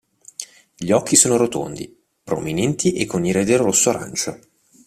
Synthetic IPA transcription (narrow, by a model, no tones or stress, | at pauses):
ʎiɔkʰːisoːnoɾot̪o̰nd̪ḭ | pɾo̰minɛnt̪iʔekːoniɾed̪elrosːoaɾa̰nt͡ʃo